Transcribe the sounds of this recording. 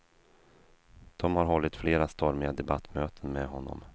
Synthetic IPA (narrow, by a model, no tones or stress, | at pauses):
d̪̥ɔmhaɾɦɔlːɪt̪fleːɾast̪ɔɾmɪad̪ɛbat̪ːmøːt̪ʰənmɛɦɔnːɔ̰m